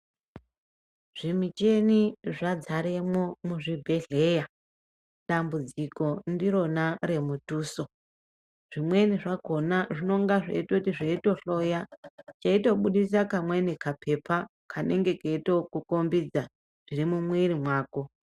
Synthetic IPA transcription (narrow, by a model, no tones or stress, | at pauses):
ʐ̥imit͡ʃe̞niʐad͡zaɾemwo̞muʐibʱe̞ɮe̞ja | ɗambud͡ziko̞ndiɾo̞naɾe̞mutuːso | ʐ̥imwe̞niʐako̞naʐino̞ŋɡaʐḛito̞tiʐeito̞ɬo̞jat͡ʃaito̞ɓuɗis̬akamwe̞nikapʰe̞pʰakʰane̞ŋɡe̞keito̞kukombid͡za | ʐ̥iɾimumwiɾimwaːko̞